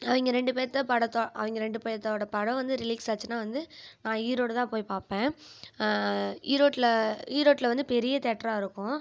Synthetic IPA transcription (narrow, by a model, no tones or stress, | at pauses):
ɐʋɪŋɡɐɾɛɳɖɯpeːɾɐt̪ːɐpɐɽɐt̪ːoːʔɐ̰ʋɐŋɡɐɾɛɳɖɯpeːɐt̪ːoːɽɐpɐɽɐ̃ʋɐnd̪ɯɾɪliːksaːt͡ʃːɯnaːʋɐnd̪ɯnãːiːɾoːɽt̪ãːpoːjpaːpẽː | iːɾoːʈːlɐiːɾoːʈːɪlɐʋɐnd̪ɯpɛɾɪjɐt̪ɛːʈːɾaːɪɾɯkːʊ̃